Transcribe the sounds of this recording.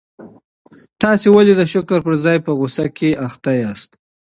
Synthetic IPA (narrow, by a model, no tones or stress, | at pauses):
t̪ɑsewaled̪əʃʊkəɾpəɾzɑjpəɣʊsakʰeaxt̪ajɑst̪